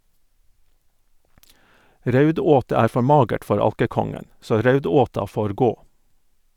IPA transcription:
ˈɾœʉˌdoːtə ˈæːɾ ˈfɔ ˈmɑːɡəʈ ˈfɔɾ ˈɑlkəˌkɔŋən ˈsoː ˈɾœʉˌdoːtɑ ˈfoːɾ ˈɡoː

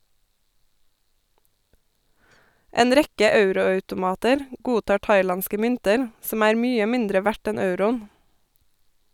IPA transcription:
ˈeːn ˈɾɛkə ˈɑʉɾʊɑʉtʊˌmɑːtəɾ ˈɡuːˌtɑː ˈʈɑɪˌlɑnskə ˈmʏntəɾ ˈsɔm ˈæːɾ ˈmyːə ˈmɪndɾə ˈʋæʈ ˈɛn ˈɑʉɾʊn

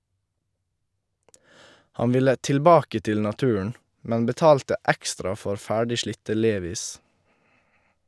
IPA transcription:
ˈhɑn ˈʋɪlə tɪlˈbɑːkə ˈtɪl nɑˈtʉːəɳ ˈmɛn bəˈtɑːltə ˈɛkstɾɑ ˈfɔɾ ˈfæːɖɪ ˈʃlɪtə ˈleːʋiːs

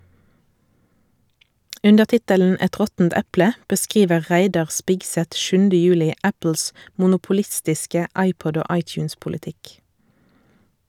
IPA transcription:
ˈʉndəʁ ˈtɪtəln̩ ˈɛt ˈʁɔtn̩t ˈɛplə bəˈskʁiːʋə ˈʁæɪdɑʁ ˈspɪɡsɛt ˈʃʉndə ˈjʉːlɪ ˈæpl̩s mʊnʊpʊˈlɪstɪskə ˈɑɪˌpɔd ˈoː ˈɑɪt͡ʃʉːnspʊləˌtɪk

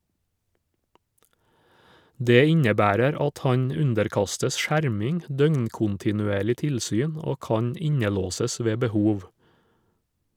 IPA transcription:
ˈdeː ˈɪɲəˌbæːɾəɾ ˈɑt ˈhɑɲ ˈʉndəɾˌkɑstəs ˈʃæɾmɪŋ ˈdœŋɲkʊntɪnʉˌeːɭɪ ˈtɪlsyːn ˈoː ˈkɑːɲ ˈɪɲəˌloːsəs ˈʋeː bəˈhuːʋ

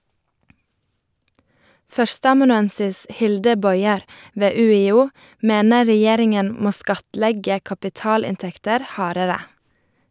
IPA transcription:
ˈfœɾstəɑmɑnʉˌɛnsɪs ˈhɪldə ˈbɔʏɛɾ ˈʋeː ʉːɪˈuː ˈmeːnə ɹɛˈjeːɾɪŋən ˈmoː ˈskɑtˌlɛɡə kɑpɪˈtɑːlɪnˌtɛktəɾ ˈhɑːɾəɾə

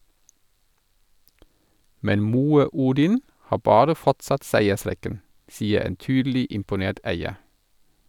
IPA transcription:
ˈmɛn ˈmuːə ˈuːdɪn ˈhɑː ˈbɑːɾə ˈfɔtsɑt ˈsæɪəˌsɾɛkən ˈsiːə ˈeːn ˈtyːdl̩ɪ ɪmpʊˈneːt ˈæɪə

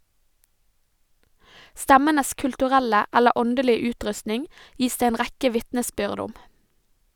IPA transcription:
ˈstæmənəs kʉltʉˈʁɛlə ˈælə ˈɔndəlɪə ˈʉːˌtɾʉstnɪŋ ˈjiːs ˈdeː ˈeːn ˈʁækə ˈʋɪtnəˌsbʏʁd ˈʊm

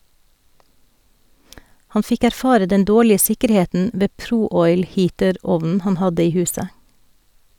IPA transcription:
ˈhɑn ˈfɪk æɾˈfɑːɾə ˈdɛn ˈdoːɭɪə ˈsɪkəɾˌheːtn̩ ˈʋeː ˈpɾuː ˈɔʏl ˈhiːtəˌɾɔʋnn̩ ˈhɑn ˈhɑdə ˈiː ˈhʉːsə

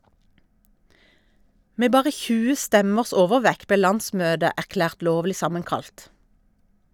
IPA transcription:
ˈmeː ˈbɑːʁə ˈçʉːə ˈstɛməʁs ˈoːʋəˌʋɛk ˈbeː ˈlɑnˌsmøːdə æʁˈklæːʁt ˈloːʋlɪ ˈsɑməŋˌkɑlt

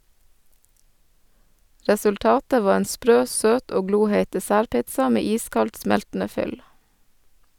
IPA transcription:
ɾɛsʉlˈtɑːtə ˈʋɑː ˈeːn ˈspɾøː ˈsøːt ˈoː ˈɡluːheɪt dɛˈsæːɾˌpɪtsɑ ˈmeː ˈiːskɑlt ˈsmɛltn̩ə ˈfʏl

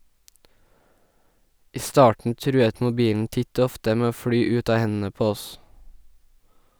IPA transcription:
ˈiː ˈstɑːʈɳ̩ ˈtɾʉːət mʊˈbiːln̩ ˈtɪt ˈoː ˈɔftə ˈmeː ˈoː ˈfɽyː ˈʉt ˈɑː ˈhɛnn̩ə ˈpoː ˈɔs

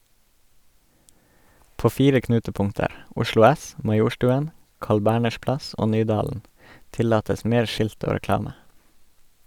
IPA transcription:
ˈpoː ˈfiːɾə ˈknʉːtəˌpʊŋtəɾ ˈʊʃlʊ ˈæs mɑˈjuːʃtʉːən ˈkɑːɭ ˈbæːɳəʃ ˈplɑs ˈoː ˈnyːdɑːln̩ ˈtɪlɑːtəs ˈmeːɾ ˈʃɪlt ˈoː ɾɛˈklɑːmə

